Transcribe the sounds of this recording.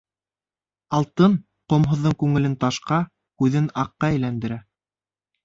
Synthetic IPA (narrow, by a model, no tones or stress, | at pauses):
ɑlˠt̪ɤn | qŏmɦŏðːɤɴkʉŋɘ̆lɘnt̪ɑʃqɑ | kʉðɘnɑqːɑɘ̆jlænd̪ɘ̆ɾæ